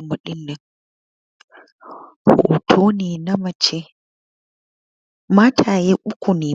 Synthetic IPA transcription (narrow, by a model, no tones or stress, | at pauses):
moɗinːɛ | hɔ̰ʔtʰoninamat͡ʃɛ | matʰajɛʔukuni